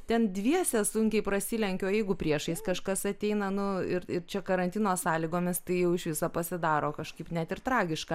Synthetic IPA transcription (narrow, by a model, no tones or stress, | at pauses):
t̪ʲɛnd̪ʲʋʲiɛsʲɛsʊŋʲkʲɛɪpɾɐsʲiːlʲɛŋʲkʲoːjɛɪɡʊpʲɾʲiɛʃɐɪskɐʃkɐsɐt̪ʲɛɪnɐnʊɪɾɪɾt͡ʃʲɛkɐɾɐnʲt̪ʲɪnoːsɑːlʲiɡoːmʲɪst̪ɐɪjɛʊɪʃʋʲɪsɐpɐsʲɪd̪ɑːɾoːkɐʃkɐɪpnʲæt̪ʲɪɾt̪ɾɑːɡʲɪʃkɑ